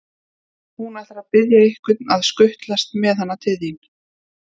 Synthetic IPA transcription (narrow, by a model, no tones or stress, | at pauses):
hunaθaɾaðpɪðjaehkvɪt̪̚naðskʏht̪last̪mɛðhanːat̪ʰɪðjin